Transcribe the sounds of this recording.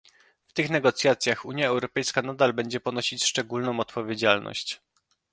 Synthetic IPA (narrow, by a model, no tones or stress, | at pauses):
ft̪ɘxnɛɡɔt̪sʲjat̪sʲjaxuɲjaɛwɾɔpɛjskanad̪albɛɲd͡ʑɛpɔnɔɕit͡ɕʂt͡ʂɛɡulnɔ̃w̃ɔt̪pɔvʲjed͡ʑalnɔ̰ɕt͡ɕ